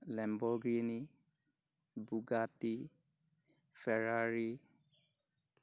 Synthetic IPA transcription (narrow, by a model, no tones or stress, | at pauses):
lɛmbɔɡɹini | buɡati | fɛɹaɹi